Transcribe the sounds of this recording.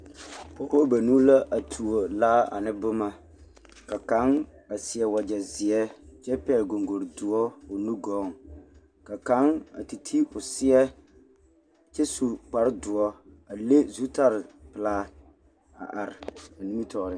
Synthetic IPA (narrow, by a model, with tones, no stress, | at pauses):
pɔ˦bo˦ba˨nu˦la˦ʔa˨tʰu˨o˨laː˦a̰˨nɪ˦bʊ˦ma˦ | ka˨ka˨˦ŋ | a˨sɪ˨ɛ˨wa˨d͡ʒɛ˨zɪ˨ɛ˦t͡ʃɛ˦pɛː˦˨ɡo˨ŋɡo˨ɾdʊ˨ɔ˦o˨nu˦ɡɔː˨˦ŋ | ka˨ka˦ŋa̰˨ti˨tʰi˦ʊ˨sɪ˦ɛ˦ | t͡ʃɛ˦su˨k͡pa˨ɾɪ˦dʊ˨ɔ˦ | a˨le˦zu˦ta˦ɾɪ˨pɨ˨laː˦ | a̰˨ʔa˨ɾɪ˨a˨ni˦mi˦tɔː˨ɾɪ˦